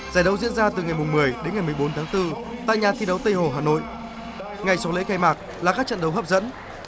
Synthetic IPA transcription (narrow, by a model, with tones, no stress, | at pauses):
zaː˧˩jɗə˧˦wzḭ˧˥nzaː˧t̪ɨ˨˩ŋa˨˩jmʊ˨˩ŋ͡mmɨ˨˩əjɗe˨˦nŋa˨˩jmɨ˨˩əjɓo˨˦nt̪ʰaː˨˦ŋt̪ɨ˧t̪a̰ː˧˨jɲaː˨˩t̪ʰi˧ɗə˨˦wt̪ə˧jho˨˩ɦaː˨˩no̰˧˨j | ŋa˨˩jsɔ˨˦lḛ˧˥kaː˧jmaː˨˩k̚laː˨˩kaː˦˥k̚t͡ɕə̰˧nɗə˨˦wɦəː˦˥p̚zə̰˧˥n